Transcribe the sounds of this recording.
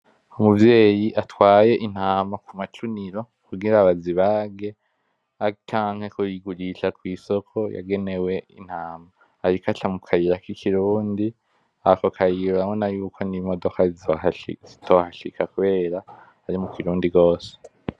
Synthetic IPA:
umuvje̞ːjiʔatwaːje̞ʔin̥haːmakumat͡ʃuniɾo̞ | kuɡiɾaβaziβaːɡe̞ | at͡ʃaːŋ̥he̞kujiɡuɾiʃakwiːso̞kʰo̞ja̰ɡe̞ne̞we̞ḭn̥haːmaː | ɾikatamukʰajiɾakikʰiɾuːndi | akokʰajiɾoamonajuːkʰo̞nimo̞do̞kaizzitʰohaʃikakuβe̞ːɾa | haɾimukiɾuːndiɡo̞ːse̥

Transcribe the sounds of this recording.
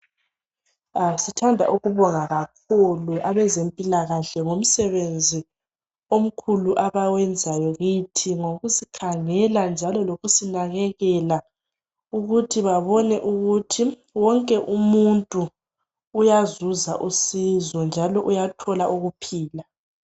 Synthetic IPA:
asitʰandʱa̰ʔuɣuβɔŋaɣakʰuluʔaβɛzempʼilaɣaɬɛŋom̩sɛβend͡zʱi | om̩kʰuluʔaβawɛnd͡zʱajɔɣitʰiŋoɣusikʰaŋɛland͡ʒʱalɔloɣusinaɣɛɣɛla | uɣutʰiβaβɔnɛʔuɣutʰi | wɔŋkʼɛʔumuntʼuː | jazuzaʔusizɔnd͡ʒʱalɔʔujatʰɔlaʔuɣupʰiːla

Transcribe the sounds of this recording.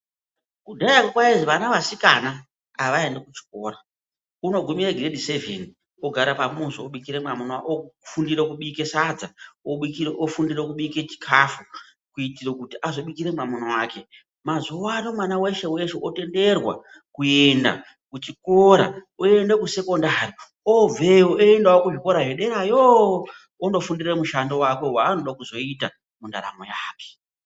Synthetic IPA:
kudʱajakokwaiʐiʋanaʋasikana | aʋae̞ndekut͡ʃi̥ko̞ːɾa | uno̞ɡʱumiɾeɡredisevḛni | oɡʱaɾapamuʐooɓikiɾemamonoaʔofundiɾokuɓike̞sad͡zaoɓikieʔofundirekuɓike̞t͡ʃi̥kʰafu | kuitirekutiʔazo̞ɓikiɾemamonowaːke̞ | mazuwanomwanawe̞ʃe̞we̞ʃeʔote̞nde̞rwa̰ | kue̞nda̰ | kut͡ʃikoɾa̰oe̞ndekuse̞ko̞ndari | oveoeendawokuʐiko̞ɾaɦeɗe̞ɾajo | ondo̞fundiremuʃando̞wake̞waːno̞ɗakuzo̞ita | munda̰ɾa̰mo̰jaːke̥

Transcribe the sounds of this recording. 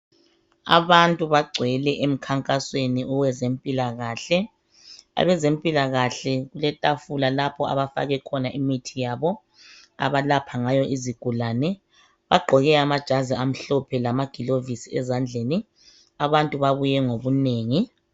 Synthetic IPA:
a̰βantʼuβaɡ͡ǀʱwɛlɛʔem̩kʰaŋkʼasweniʔɔwɛzempʼilaɣaːɬɛ | a̰βɛzempʼilaɣaɬɛɣulɛtʼafulalapʰɔa̰βafa̰ɣɛkʰɔnaʔimitʰijaːβɔ | a̰βalapʰaŋajɔʔiziɡ̥ʱulanɛ | βaɡ͡ǃʱɔɣɛamad̥ʒ̥ʱaziam̩ɬɔpʰɛlamaɡ̥ʱilovisiɛzand͡ɮʱeːni | aβantʼuβaβujɛŋoβuneːŋi

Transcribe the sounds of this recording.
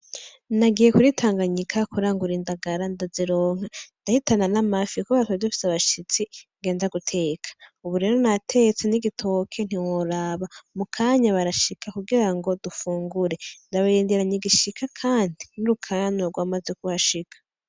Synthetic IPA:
naɡije̞kuɾitʰaːŋɡaɲikʰakuɾaːŋɡuɾiːndaɡaɾandaziɾo̞ːŋ̥handahitananamafikoβatadufi̥saβaʃit͡siŋɡe̞ːnzaɡutʰe̞ːkʰḁuβuɾe̞ːɾo̞natʰe̞t͡seniɡitʰo̞kʰe̞n̥iwoɾaβamukʰaːɲaβaɾaʃikʰakuɡiɾaŋɡo̞dufuːŋɡuɾe̞ndaβajeːndiɾaɲeɡiʃikʰakʰaːndinuɾukʰaːɲoɾɡwaːmazekuβaʃikʰḁ

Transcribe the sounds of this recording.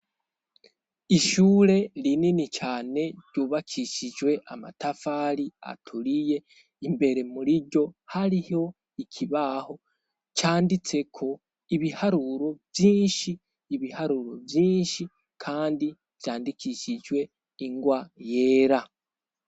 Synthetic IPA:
iʃuːɾe̞lininit͡ʃaːne̞ɾɟuːβakʰiʃiʒwe̞ʔama̰tafaːɾia̰tʰuɾije̞ | imbe̞ɾe̞muɾiɟo̞haɾiho̞ | icʰiβaho̞ | t͡ʃaːndit͡se̞kʰo̞ | iβihaɾuɾo̞vjiːnʃiː | βihaɾuːɾo̞vjiːnʃi | kʰaːndi | v̥jaːndikiʃiʒwe̞ | iŋɡwaje̞ːɾa

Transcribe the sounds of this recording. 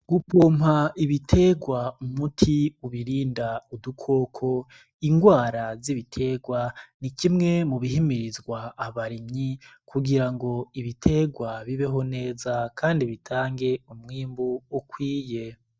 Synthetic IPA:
ɡupʰoːmhaiβitʰe̞ɡwaumutʰiuβiɾiːndaudukʰo̞ːkʰo̞ | iŋɡwaːɾaziβitʰe̞ːɡwanikimŋe̞muβihimiɾizɡwaːβaɾimɲikʰuɡiɾaŋɡo̞iβitʰe̞ɡwaβiβe̞ɦo̞ne̞ːzakʰaːndiβitʰaːŋɡe̞umŋiːmbuukwiːje̞

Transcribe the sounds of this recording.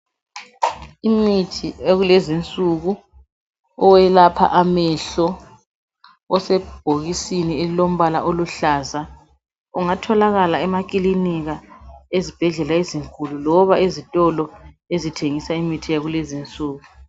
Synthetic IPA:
imitʰieɣulezint͡sʼuɣu | ɔwɛlapʰa̰ʔamɛɬɔ | ɔsɛb̥ʱoɣisinielilom̩βala̰ʔoluɬaza | uŋatʰɔlaɣalaɛmakʼiliniɣaezib̥ʱɛɮɛlaeziŋkʰʼululɔβaezitʼɔlɔ | ezitʰeŋisaimitʰijaɣulezint͡sʼuːɣu

